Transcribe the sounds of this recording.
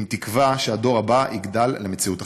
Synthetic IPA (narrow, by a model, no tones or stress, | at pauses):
mtikvaʃeado̞ʁabaʔiɡdalːemet͡siuta